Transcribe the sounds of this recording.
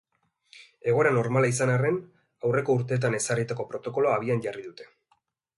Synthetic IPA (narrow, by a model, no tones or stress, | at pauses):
e̞ɣ̞o̞ɾano̞ɾmalaisanare̞n | awre̞ko̞uɾt̪e̞ːt̪̬ane̞sarit̪ako̞pɾo̞t̪o̞ko̞loaːβ̞ianʝariðut̪e̞̥